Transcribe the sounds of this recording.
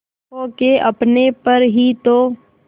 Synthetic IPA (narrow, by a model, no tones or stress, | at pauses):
okeʔɐpnepɐɾɦit̪oː